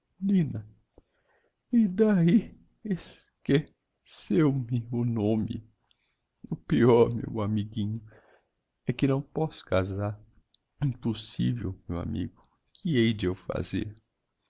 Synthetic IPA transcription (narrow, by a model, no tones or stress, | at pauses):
nĩnɐ | ɪd̪ai | eske | sewmɪʊnõmɪ̰ | ʊpiɔɾmḛwamiɡĩɲʊ | ɛkɪnɐ̃w̃pɔsʊ̥kazaɾ | ĩposḭvḛwmewa̰mḭɡʊ | kʰɪejd͡ʒɪewfa̰zḛɾ